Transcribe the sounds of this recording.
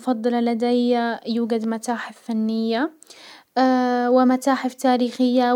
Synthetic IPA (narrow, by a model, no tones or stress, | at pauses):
fɑd̪ˤːɨlɑlad̪ajːajuːɡad̪mat̪aːħɪffanːɪjːa | wɪmat̪aːħɪft̪aːɾiːxɪjːa